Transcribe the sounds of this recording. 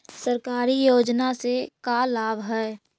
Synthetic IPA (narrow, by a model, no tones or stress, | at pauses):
səɾkaːɾijoːd͡ʒnasekalaːbɦɛː